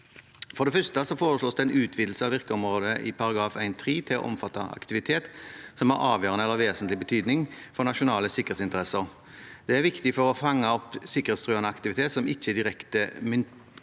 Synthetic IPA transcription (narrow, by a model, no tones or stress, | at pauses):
fɔɾd̪ɛfœst̪əsɔfoːɾəʂɭoːsd̪ɛæɪnʉːt̪ʰʋiːd̪l̩səɑʋɪʁkəɔmɾoːd̪əʔɪ̰pʰɑɾɑɡɾɑːfæɪnt̪ʰʁiːt̪ʰɪlɔ̰ʔɔ̰mfɑt̪ːɑɑ̰kt̪ɪʋɪt̪ʰeːt̪sɔmhɑɾɑːʋjøːɾʁənəɛləʋeːsənt̪lɪbət̪ʰyːd̪nɪŋfɔʁnɑʃʊnɑːləsɪkːəʁet̪sɪnt̪əʁɛsəʁ | d̪̥ɛæʁʋɪkt̪ɪfɔʁɔfɑŋːəɔpsɪkəʁet̪st̪ʁøːɑnəɑkt̪ɪʋɪt̪ʰeːt̪sɔmɪçːəd̪ɪʁɛkt̪əmɪn